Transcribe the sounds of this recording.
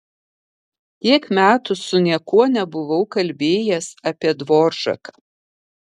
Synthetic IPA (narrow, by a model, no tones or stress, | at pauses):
t̪ʲiɛkmʲæːt̪ʊsʊnʲiɛkuɔnʲɛbʊʋɐʊkɐlʲbʲeːjɛsɐpʲiɛd̪ʋoːɾʒɐ̰kɐ